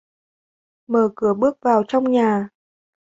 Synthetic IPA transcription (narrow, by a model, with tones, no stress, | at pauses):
məː˨˩kɨ˨˩˦əɓɨ˦˥ək̚vaː˨˩wt͡ɕɔ˧wŋ͡mɲaː˨˩